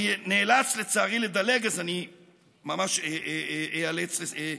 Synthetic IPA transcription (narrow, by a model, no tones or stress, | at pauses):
neːlat͡slet͡saaʁiled̪aleɡazani | mamaʃeealet͡slee